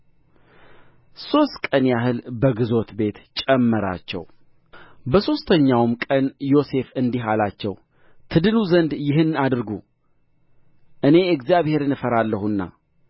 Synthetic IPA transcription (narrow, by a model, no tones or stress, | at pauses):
so̞st̪kʼənjaɦɨlbəɡɨzo̞t̪be̞t̪t͡ʃʼɛmːəɾa̰t͡ʃːɛ̰w | bəso̞st̪ʰəɲːawmkʼənjo̞se̞fɨnd̪iɦalat͡ʃːɛw | t̪ʰɨd̪ɨnuzənd̪jɪɦɨnːad̪ɨɾɡu | ʔɨne̞ɨɡzijaβhe̞ɾnɨfəɾalːəhunːa̰